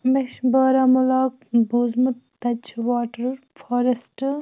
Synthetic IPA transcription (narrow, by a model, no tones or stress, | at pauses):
meʃbɐːɾamulaːk̚buːzmut̪ːɐt͡ʃʰʋaːʈɐɾuɾfoːɾɐsʈ